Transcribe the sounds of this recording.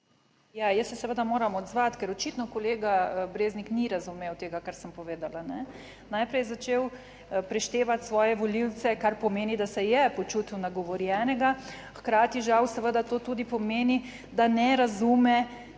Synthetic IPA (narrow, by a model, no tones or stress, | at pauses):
jajəsːɛsɛʋəd̪amoːɾamɔd̪zʋat̪kɛɾɔt͡ʃit̪nɔkɔleːɡabɾeːznikniɾazumeːwt̪eːɡakaɾsəmpɔʋeːd̪alanɛ | najpɾɛjɛzat͡ʃeːw | pɾɛʃt̪eːʋat̪sʋɔːjɛʋɔliwt̪t͡ssɛkaɾpɔmeːnid̪asɛjɛpɔt͡ʃuːt̪unaɡɔʋɔɾjɛnɛɡa | xkɾaːt̪iʒawsɛʋəd̪at̪oːt̪uːd̪ipɔmeːni | d̪anɛɾazuːmɛ